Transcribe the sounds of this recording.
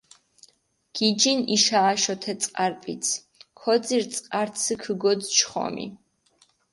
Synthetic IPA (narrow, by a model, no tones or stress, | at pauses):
ɡ̥id͡ʒiniʃaːʃɔt̪ʰɛt̪sʼqʼaɾpʼit̪sʰ | kʰɔd̪ziɾt̪sʼqʼaɾt̪sʰəkʰəɡɔd̪t͡ʃʰχɔ̰mḭ